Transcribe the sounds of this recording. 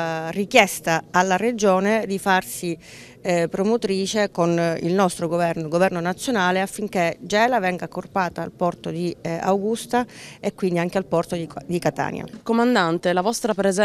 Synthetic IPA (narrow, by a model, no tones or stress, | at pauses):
rikjɛst̪aalːared͡ʒoːned̪ifarsi | pɾomot̪ɾiːt͡ʃekonḭlnɔst̪ɾoɡovɛrnoɡovɛrnonat̪sːjonaːleafːiŋk̟ed͡ʒɛːlavɛŋɡakorpaːt̪a̰ːlpɔrt̪od̪ia̰wɡust̪aekːwind̪iaŋk̟ealpɔrt̪od̪id̪ikat̪a̰ːnja̰komand̪ant̪elavɔst̪ɾapɾez